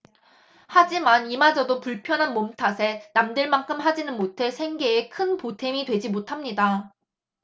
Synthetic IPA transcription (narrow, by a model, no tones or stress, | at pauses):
had͡ʑimanimad͡ʑʌdopuɭpʰjʌnɦanmomtʰasʰe̞namdɯɭmaŋkʰɯmɦad͡ʑinɯnmotʰe̞sʰe̞ŋɡe̞ːkʰɯnpotʰe̞midwe̞d͡ʑimotʰamɲida